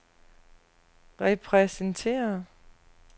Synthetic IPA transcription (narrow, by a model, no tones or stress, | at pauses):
ʁɛpʰʁɛsənt͡sʰe̝̰ːɐ